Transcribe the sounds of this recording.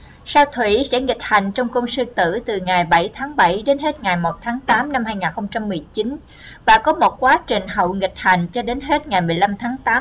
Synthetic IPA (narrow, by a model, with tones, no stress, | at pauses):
saː˧wt̪ʰwḭ˧˩sɛ̰˧˥ŋi˨˩k̟̚ha˨˩˨jŋ̟t͡ɕɔ˧wŋ͡mkə˧wŋ͡msɨ˧t̪ɨ̰˧˩t̪ɨ˨˩ŋa˨˩jɓə˧˩jt̪ʰaː˨˦ŋɓə˧˩jɗe˨˦nɦe˦˥t̚ŋa˨˩jmo˨˩t̚t̪ʰaː˨˦ŋt̪aː˨˦mna˧mhaː˧jŋaː˨˩nxə˧wŋ͡mt͡ɕa˧mːɨ˨˩əjt͡ɕi˨˦n | vaː˨˩kɔ˨˦mo˨˩t̚kwaː˨˦t͡ɕi˨˩ŋ̟ɦə̰˧˨wŋï˨˩k̟̚ha˨˩˨jŋ̟t͡ɕɔ˧ɗe˨˦nɦe˦˥t̚ŋa˨˩jmɨ˨˩əjla˧mt̪ʰaː˨˦ŋt̪aː˨˦m